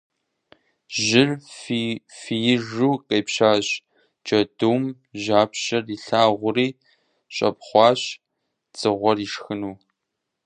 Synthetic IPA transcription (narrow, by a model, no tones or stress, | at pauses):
ʒɪrfifijɪʒuːqʼɐjpɕaːɕ | t͡ʃʼɐduːm | ʑaːpɕɐriːɬaːʁʷʊriː | ɕʼɐ̰p̚χʷɑːɕ | t͡sʼɨʁʷɔriːʂxɨnuː